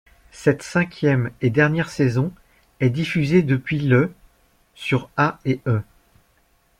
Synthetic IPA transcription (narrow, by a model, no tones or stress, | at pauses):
sɛt̪sɛ̃kʲjɛmed̪ɛʁnjɛʁsezɔ̃ | ɛd̪ifyzed̪əpɥilə | syʁaeʔø